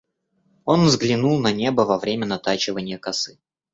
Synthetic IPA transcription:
o̞nvzɡlʲɪnulˠnɐnʲebəvɐvɾʲemʲənɐt̪at͡ɕɪvənʲɪjəkɐsɨ

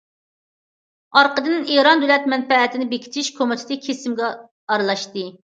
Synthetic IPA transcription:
ɑɾqəd̪ɨneɾɑnd̪ølɛt̪̚mɛnpɛːt̪ʰɪnɪbekʲʰi̥t͡ʃ̪ʰiʃkʰomɪt̪ʰɪ̥t̪ʰɨkʲʰesɪmɡʲɛː | ɾɨlˠɑʃt̪ɨ

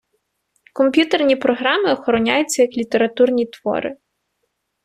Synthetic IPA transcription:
kɔmpʲjut̪ernʲipɾɔɦɾɑmɪɔxɔɾɔnʲajʊt͡sʲːɐjɐklʲit̪eɾɐt̪urnʲit̪ʋɔ̰ɾɪ̰

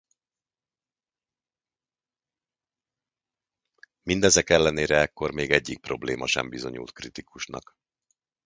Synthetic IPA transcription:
mind̪ɛzɛkɛlːɛneːɾɛɛkːo̞rmeːɡɛɟːik̚problḛːmɒʃɛ̰mbizo̞ɲṵlt̪krit̪ikuʃnɒ̰k

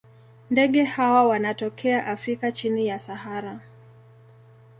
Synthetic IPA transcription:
ndɛɠɛhawawanatɔkʰɛaʔafɾikat͡ʃinijasahaɾa

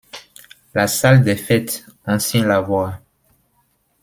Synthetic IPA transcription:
lasald̪efɛt̪ɑ̃sjɛ̃lavwa

